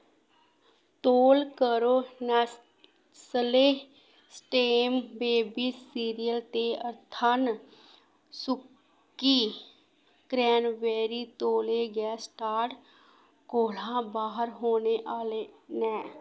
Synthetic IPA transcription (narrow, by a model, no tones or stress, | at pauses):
t̪oːlkəɾoːnɛ | səle | sʈeːmbeːbisiːɾijəlt̪eəɾt̪ʰaːn | sʊkː | i | kɾɛːnʋɛːɾit̪oːleɡɛsʈaːʈ | koːlãbaːɦəɾɦoːneʔaːlenɛː